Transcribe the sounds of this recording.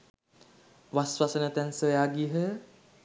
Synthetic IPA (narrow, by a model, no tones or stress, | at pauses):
ʋasʋasənət̪ænsəjaːɡiɦə